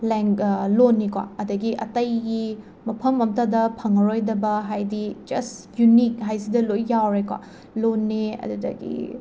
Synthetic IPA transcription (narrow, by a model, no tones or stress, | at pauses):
leŋklonːikwa̰ɐdɐɡiʔɐ̰tɐjɡi | mɐpʰɐmɐmtɐdɐpʰɐŋɐɾojdɐbɐɦajdid͡ʒɐ̰s | junik̚ɦajsidɐlojːawɾekwa̰ | lonːeɐ̰ddɐ̰ɡḭ